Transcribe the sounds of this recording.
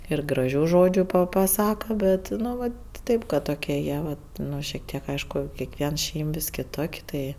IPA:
ɪr ɡrɐˈʒʲuː ˈʒoːd͡ʒʲʊ pɐ pɐˈsɑːkɐ ˈbʲɛt nʊ ˈʋɐt ˈtʲeːp kɐt toːˈkʲiɛ ˈjiɛ ʋɐt ˈnʊ ʃʲiɛk ˈtʲiɛk ˈɐɪʃkʊ kʲiɛkˈʋʲiɛn ˈʃʲɛɪm ʋʲɪs kʲɪˈtoːkʲ ˈtɐɪ

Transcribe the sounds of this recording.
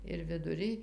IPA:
ɪr ʋʲɪdʊˈrʲɪj

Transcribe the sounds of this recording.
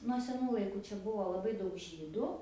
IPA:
nuɔ sʲɛˈnuː lˠɐɪˈkuː ˈt͡ʃʲɛ ˈbʊʋoː lˠɐˈbɐɪ ˈdɐʊk ˈʒʲiːdʊ

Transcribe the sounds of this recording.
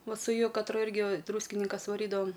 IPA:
ˈʋɐ sʊ ˈjʊ kɐtˈrʊ ˈɪrʲɡʲɪ ˈdruːsʲkʲɪnʲɪŋkɐs ʋɐˈrʲiːdɐʋɐm

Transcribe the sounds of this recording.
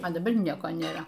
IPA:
ɐ dɐˈbɐr ˈnʲiɛkoː nʲeːˈrɐ

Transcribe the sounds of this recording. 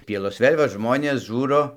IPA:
ˈpʲiɛlˠoːs ˈʋʲeːlʲ ʋɐ ˈʒmoːnʲeːs ˈʒuːroː

